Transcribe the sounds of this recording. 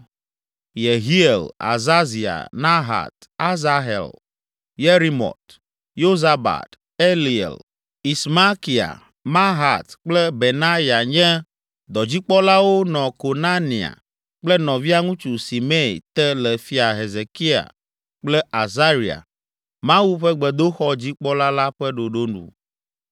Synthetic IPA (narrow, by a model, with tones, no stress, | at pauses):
je˨ɦi˦e˨la̰˨za˦zi˨a̰˨nã˦ɦa̰˨t̪ | a˦za˦ɦḛ˨l | je˦ɾi˦mɔ̰˨t̪ | jo˦za˦ba̰˨t̪ | e˦li˨ḛ˨l | i˨sma˦ki˨a̰˨ | mã˦ɦa˨t̪k͡plɛ˦be˨nã˦ja˨ɲɛ̃˦ | d̪ɔ˨d͡ʑi˦k͡pɔ˦la˦wo˦nɔ̃˨ko˨nã˦nĩ˨a̰˨ | k͡plɛ˦nɔ̃˨vi˦a˦ŋũ˦t͡ʃu˨si˨mɛ̰̃˦˨t̪ɛ˦lɛ˨fi˦a˨ɦe˨ze˨ki˦a̰˨ | k͡plɛ˦ʔa˨za˦ɾi˨a̰˨ | mã˦wu˦ɸɛ˦ɡ͡bɛ˨d̪o˦xɔ˦d͡ʑi˦k͡pɔ˦la˦la˦ɸɛ˦ɖo˨ɖo˦nṵ̃˨